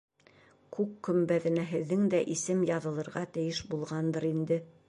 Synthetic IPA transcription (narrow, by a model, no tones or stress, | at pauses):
kʉkːɵ̆mbæðɘ̆næɦɘ̆ðːɘŋd̪æʔisɘmjɑðɤ̆lˠɤ̆ɾʁɑt̪ɘ̆jɘʃbulˠʁɑnd̪ɤɾind̪ɘ